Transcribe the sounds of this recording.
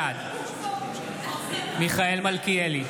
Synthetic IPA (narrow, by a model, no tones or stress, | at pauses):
ad̪ | miχaelmalkieli